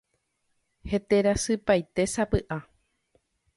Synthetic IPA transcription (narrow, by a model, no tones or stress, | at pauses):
he̞t̪e̞ɾasɨpajt̪e̞sapɨʔa